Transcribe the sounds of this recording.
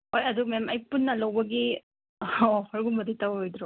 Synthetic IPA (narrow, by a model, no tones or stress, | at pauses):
ojɐdumemajpunːɐlɐwbɐɡi | ɔhɔɾɡumɐdijtawojd̪ɾɔ